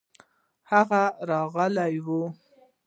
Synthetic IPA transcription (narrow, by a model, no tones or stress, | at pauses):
haɣaɾɑɣəlajwu